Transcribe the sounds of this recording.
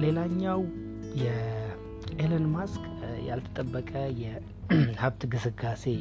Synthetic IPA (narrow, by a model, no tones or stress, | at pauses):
le̞laɲːaw | jɛ | ʔelənmask | ja̰lt̪ʰə̥t̪ʼəbːəkʼəjɛ | haβt̪ɡɨsɨɡase̞